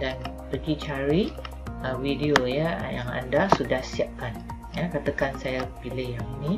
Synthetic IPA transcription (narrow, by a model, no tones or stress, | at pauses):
dan | pəɡit͡ʃaɾi | əwidiojəjaŋa̰ndasudahsiap̚kan | jakat̪əkansajapilɪhjaŋinĩ